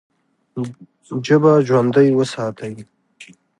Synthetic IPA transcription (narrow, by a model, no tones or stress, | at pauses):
d͡ʒəbaʒwand̪əjwəsɑːt̪ʰawi